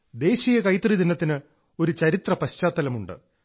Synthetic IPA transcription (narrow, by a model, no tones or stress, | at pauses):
d̪e̞ːɕijɐkɐjt̪rid̪inɐt̪ːinɨ | o̞ɾut͡ɕɐɾit̪rɐpɐɕt͡ɕaːt̪ːɐlɐmuɳɖɨ̰